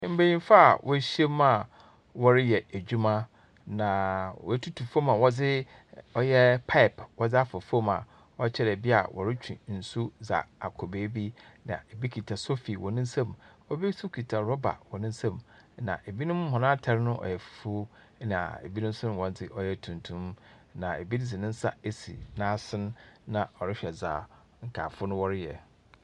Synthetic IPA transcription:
m̩˦be˨jĩ˦fa˦a˨wʔɔ˦ɕi˦ɛ˦m˦mã˦˨ | wɔ˦ɾɪ˦jɛ˨e˨d͡ʑᶣu˦mã˦ | nã˨wɔ˨˦tʰu˦tʰu˨fo˦mã˨wɔ˦d͡zɪ˦ | ɔ˦jɛ˦pʰa˦ɪ˨pwɔ˦d͡zɪ˦a˦fɔ˨fu˦o˦mã̰˨ | ɔ˦t͡ɕʰɛ˦ɾɛ˨bi˦a̰˨wʔɔ̰˨ɾɪ˦t͡ɕʰᶣḭ̃˨n̩˨su˦za̰˨a̰˨kʰɔ˨be˨˦bi˦nã̰˨e˨bi˦kʰi˨tʰa˨so˦fi˨wɔ˨nɪ̃˦sã˦m | ɔ˦bi˦su˦kʰi˨tʰa˨ɾɔ˦ba̰˨wɔ˨nɪ̃˦n̩˦sã˦˨mnã̰˨ʔe˨bi˦nʊ̃˦m˦hɔ̃˨nã˦tʰɛ˦ɾɪ˦nʊ̃˦ʔɔ̰˨jɛ˨fu̥˨˦fu˦ | nã˨ḛ˨bi˦nʊ̃˦m̩˦sʊ˦nʊ̃˦wɔ̃˨n˦tʰɪ˦ʔɔ˦jɛ˦tʰũ˨ntʰũ˦mnã˨e˨bi˦n˦d͡zɪ˨nɪ̃˦n̩˦sa̰˦e˦sḭ˨nãː˦sɪ̃˦nːã˨ɔ˨ɾɪ˦ɕᶣɛ˨za̰ː˨ | ŋ̩˨kʰa̰ː˨fʊ˦nʊ̃˦wɔ˦ɾɪ˦jɛ̰˨

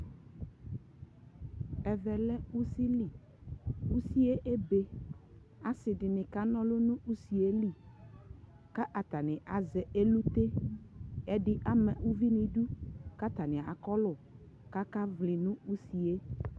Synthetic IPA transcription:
ɛ˨vɛ˨lɛ˦u˦si˦li˨ | u˦si˦e˦ʔe˦be˦ | a˦sɪ˨ɖɪ˨nɪ̃˨ka˦nɔ̃˦lʊ˦nũ˦u˦si˨e˦li˦ | ka˦ʔa˨t̪a˨nɪ̃˨ʔa˨zɛ˨ʔe˦lu˦t̪e˦ | ɛ˦ɖɪ˦ʔa˦mɛ˨wu˦vi˦nĩ˨ɖu˦ka˦t̪a˨nɪ̃˨a̰˨kɔ˦lʊ˨ | ka˦ka˦vli˨nũ˦u˦si˨e˦

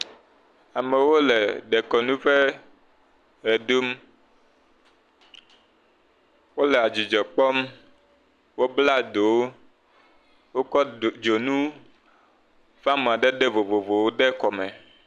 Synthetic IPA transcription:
a˨me˨wo˦le˨ɖɛ˨kɔ˨nũ˦ɸe˦ | ɾɛ˨du˦m | wo˦le˨a˨d͡ʑi˨d͡ʒɔ˨k͡pɔ˦m | wo˦bla˦d̪o˨w | wo˦kɔ˦˨d͡ʒo˨nũ˦ | ɸa˦mũ˨a˨ɖɛ˦ɖe˦vo˨vo˨vo˨wo˦ɖɛ˦kɔ˨mɛ˨

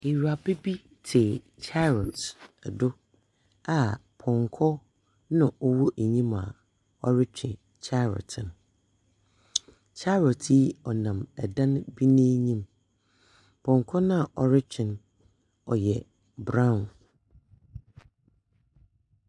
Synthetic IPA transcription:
e˨ɾu˨a˨be˦bi˦ | tʰe˨ | t͡ɕʰa˦ɾɔ˨tɛ˨dʊ˦ | a˨pʰɔ̃˨ŋkʰɔ˦ | nã˨ʔɔ˦wɔ˦ʔe˨ɲĩ˦ma̰˨ | ɔ˨ɾɪ˦t͡ɕᶣʰɪ̃˨ | t͡ɕʰa˦ɾɔ̰˨tʰɪ˨n˨ | t͡ɕʰa˦ɾɔ˨tʰi˦ɔ˨nã˨mɛ˨dã˦n˦bi˦nĩ˦ɲĩ˦m | pʰɔ̃˨ŋkʰɔ˦nʊ̃˦a˨ʔɔ˨ɾɪ˦t͡ɕᶣɪ̃˨n | ɔ˨jɛ˨ | bɾã˦˨n

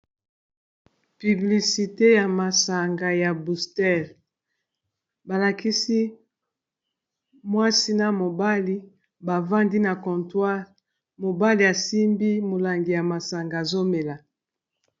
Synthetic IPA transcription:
py˨bli˨si˨te˦ja˨ma˨sa˨ŋɡa˨ja˨bu˨stɛ˦˨ʁ | ba˨la˨ki˦si˦ | mwa˦si˦na˨mo˨ba˦li˦ | ba˨va˦ndi˦na˨kɔ̃˨ntwa˦ʁ | mo˨ba˦li˨ja˨si˦mbi˦mo˨la˨ŋɡi˨ja˨ma˨sa˨ŋɡa˨zo˦me˨la˨

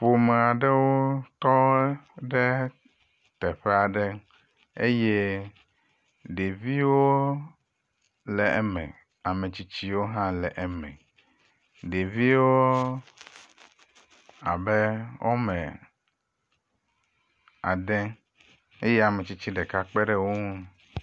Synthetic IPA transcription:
ɸo˨mɛ˨a˨ɖɛ˦wo˦t̪ɔ˦ɖɛ˦ | t̪ɛ˨ɸɛ˦a˨ɖɛ˦ | e˦jɛ˦ | ɖe˨vi˦wo˦ | lɛ˨ʔɛ˨mɛ̰̃˨ | a˨mɛ̃˨t͡ɕi˦t͡ɕi˦wo˦ɦã˦lɛ˨ʔmɛ̰̃˨ | ɖe˨vi˦wo˦ | a̰˨bɛ˦wʔo̰˦mɛ̃˨ | a̰˨ɖɛ˦ | e˦jɛ˦a˨mɛ̃˨t͡ɕi˦t͡ɕi˦ɖɛ˨ka˦k͡pɛ˦ɖɛ˦wo˦ŋu˦

